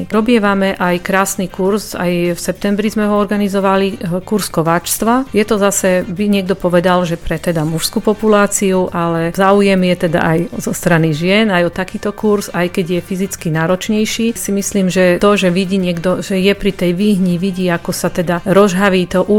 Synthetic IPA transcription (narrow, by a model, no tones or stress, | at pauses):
ɾɔbɪɛʋamɛʔajkɾaːsnikuɾsa̰jfsɛp̚t̪ɛmbɾizmɛɦɔɔɾɡanizɔʋalikuɾskɔʋaːt͡ʃst̪ʋajɛt̪ɔzasɛbiɲɪɛɡ̚d̪ɔpɔʋɛd̪alʒɛpɾɛt̪ɛd̪amuʃskupɔpulaːt͡siuʔalɛzaːujɛmjɛt̪ɛd̪a̰ʔajzɔst̪ɾaniʒɪɛnajɔt̪akiːt̪ɔkuɾzajkɛɟjɛfizit͡skinaːɾɔt͡ʃɲɛjʃiːsimisliːmʒɛt̪ɔʒɛʋiɟiːɲɪɛɡd̪ɔʒɛjɛpɾit̪ɛjʋiːɦɲiʋiɟiːakɔsat̪ɛd̪aɾɔʒɦaʋiːt̪ɔʔu